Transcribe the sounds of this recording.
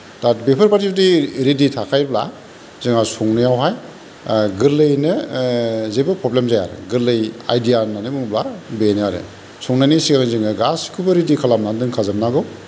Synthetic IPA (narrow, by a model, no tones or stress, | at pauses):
d̥at̚bepʰɯɾpaɾtibdiɾiditʰakʰajbla̰ | zɯŋasuŋnɯjawɦaj | ɡɯlɯjnɯ | zebɯpʰɾɔblemzaja̰ɾ̰ɡɯlɯja̰jdijananibɯŋblabenjaɾɯ̰ | sɔŋnanisiɡanɯzɯŋaɡaskʰubɯɾidikʰalamnandɯŋkʰazɯmnaɡɯw